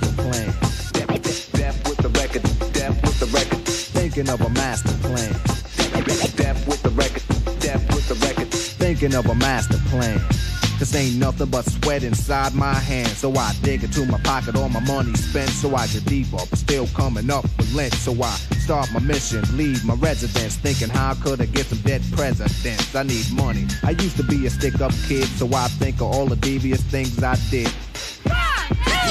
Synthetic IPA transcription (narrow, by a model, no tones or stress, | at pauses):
əpʰl̥æ̃nd̥ɛdɛd̥ɛf̚wɪðəɹɛkədd̥ɛf̚wɪðəɹɛkədθɪ̃ŋkɪ̃ŋʌvəmæstə˞pʰl̥æ̃nd̥ɛd̥ɛf̚wɪðəɹɛkəd̥ɛf̚wɪðəɹɛkə˞dθɪ̃ŋkɪ̃ŋʌvəmæstə˞pʰl̥æ̃nkʰɨsẽɪ̃nːʌθɪ̃ŋbʌtswɛɾɨ̃nsaɪd̚maɪɦæ̃nd̥soʊwaɪadɪ̃ɡɨ̃ntʰumaɪpʰɑkɨɾɔlˠmaɪmʌnispɛ̃nsoʊaɪkɨddipəstɪlˠkʰʌmɪ̃ŋʌp̚wɨðlɪ̃nsoʊwaɪstɑɹp̚maɪmɪʃɨ̃nlivmaɪɹɛzɨdɨ̃nsθɪ̃ŋkɨ̃ŋɦaʊkʰʊɾɨt̚ɡ̥ɛtsʌ̃mdɛd̚pʰɹ̥ɛzɨdɨ̃nsaɪnid̚mʌniʔaɪjʉstəbiɨstɪkʌp̚kʰɪdz̥soʊwaɪθɪ̃ŋkʌvɔlˠðədiviɨsθɪ̃ŋzaɪdɪd̥̚